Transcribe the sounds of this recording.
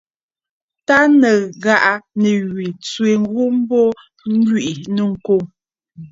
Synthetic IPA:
ta˦nə˨ɣa˨ʔa˨nə˨ɣɥi˨t͡sɥwe˨ŋ̩˦ɣu˦m̩˦bɔ˦ | ŋ̩˦ɡɥi˦˨ʔi˨nə˦ŋ̩˨ko˦˨ŋ

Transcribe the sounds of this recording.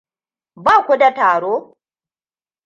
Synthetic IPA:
baː˦˨kʷu˦da˨taː˨ɽoː˦

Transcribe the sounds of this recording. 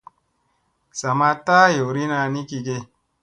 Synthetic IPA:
sa˨ma˧ta˦jo˨ɾi˦na˧ni˦ki˧ɡe˧

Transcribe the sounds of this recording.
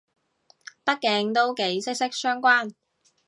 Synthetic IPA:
pɐ˥t̚kːɛː˧ŋt̪o˥wke˨˥jsɪ˥k̚sɪ˥k̚sœː˥ŋkʷaː˥n

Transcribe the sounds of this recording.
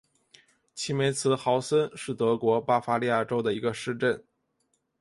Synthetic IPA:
t͡ɕʰi˧˥me˧˥ɪt͡sʰɹ̩˧˥xɑ˧˥ʊsə˥nʂɻ̩˥˩t̪ɤ˧˥kwɔ˧˥pa˥fa˥li˥˧ja˥˩ʈ͡ʂo˥ʊd̪ə˨i˧˥ɡə˧ʂɻ̩˥˧ʈ͡ʂə˥˩n

